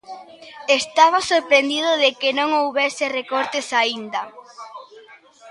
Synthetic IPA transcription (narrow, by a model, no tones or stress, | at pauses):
est̪aβ̞asoɾpɾend̪iðʊðekɪnõŋowβɛsɪrekoɾt̪esaind̪ɐ